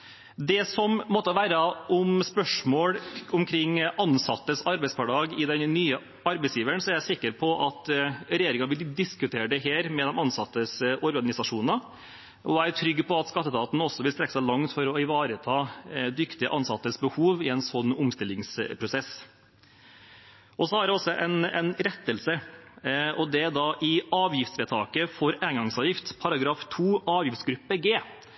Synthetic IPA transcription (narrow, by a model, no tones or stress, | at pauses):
d̪ɛsɔmmɔt̪ːəʋæːɾəʔʊmspœʂmoːɽʊmkʰɾɪŋːʔɑnsɑt̪ːəsɑɾbɛɪspɑɖɑːɡɪd̪ɛnnyːə | ɑɾbɛɪsjiːʋəɳsɔæɾjæɪsɪkːəɾpʰɔʔɑt̪ɾɛjeːɾɪŋɑʋɪld̪ɪskʉt̪ʰeːɖəɦeːɾmɛd̪ɛmɑnsɑt̪ːəsɔɾɡɑnɪsɑʂuːnɑ | ʔɔæʈʰɾʏɡːpʰɔɑt̪skɑt̪ːət̪ɑːt̪n̩ɔsːɔʋɪlst̪ɾɛkːəsæɪlɑŋt̪fɔɾɔɪʋɑːɾət̪ʰɑːd̪ʏkt̪ɪə̰ʔɑnsɑt̪ːəsbəhuːʋɪɛnsɔnːʊmst̪ɪlɪŋspʰɾʊsɛs | ʔɔsɔhɑɾɖɛɔsːɔʔɛɪnɛ̰ɪnɾɛt̪ːəlsə | ʔɔd̪ɛd̪ɑʔɪɑːʋjɪft̪sʋɛːt̪ʰɑːkəfɔɾæːnɡɑŋsɑːʋjɪft̪pʰɑɾɑɡɾɑːft̪ʰuːʔɑːʋjɪft̪sɡɾʉpːəɡeː